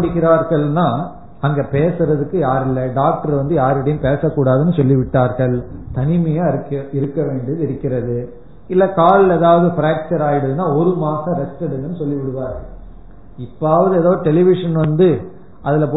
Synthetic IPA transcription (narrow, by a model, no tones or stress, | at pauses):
ɽɪkːɪɾaːɾɣɐɭnaː | ɐŋɡepeːsɯɾɐðɯkːɯjaːɾɪlːɐɖaːk̚ʈɐɾʋɐnd̪ɯjaːɾɪɽɐjʊ̃peːsɐkːuːɽaːðɯnːɯsɔlːɪʋɪʈːaːɾɣɐɭt̪ɐnɪmɐjaːɪɾɯkːɐɪɾɯkːɐʋeːɳɖiðɯɪɾɯkːɪɾɐðɯ | ɪlːɛkaːɭleːðaːʋɐðɯfɪɾaːk̚t͡ʃɐɾaːjɪɽɐðɯnaːɔɾɯmaːsɐ̃ɾɛsʈɛɽɯŋɡɐnːɯsɔlːɪʋɪɽɯʋaːɾɣɐɭ | ɪpːaːʋɐðɯɛːðaːðɯʈɛlɪʋɪʂɐnʋɐnd̪ɯ | ʔɐðɪlɐpː